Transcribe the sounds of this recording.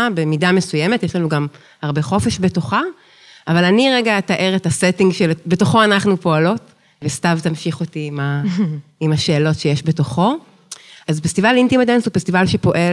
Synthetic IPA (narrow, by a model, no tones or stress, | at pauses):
be̞midame̞sujemetjeʃlanuɡam | haʁbe̞χo̞feʃbeto̞χa | avalaniʁeɡataʔe̞ʁetasetiŋɡʃelbe̞to̞χo̞anaχnupo̞alo̞t | vestavtamʃiχotima | imaʃe̞ːlo̞tʃejeʃbeto̞χo̞ | azfest̪ivalintimad̪ensufest̪ivalʃepo̞ʔe